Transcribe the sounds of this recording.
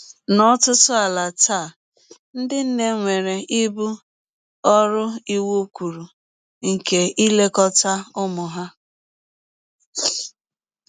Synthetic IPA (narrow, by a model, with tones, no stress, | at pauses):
nɔ˦tʊ˦tʊ˦a˨la˨ta˦˨ | n̩˦dɪ˦n̩˦ne˦ŋʷe˨ɾe˨ʔi˦bu˦ | ɔ˦ɾʊ˦i˦wu˦kʷu˨ɾu˨ | ŋ̩˨ke˨i˦le˦kɔ˦ta˦ʊ˦mʊ˨ɦa˦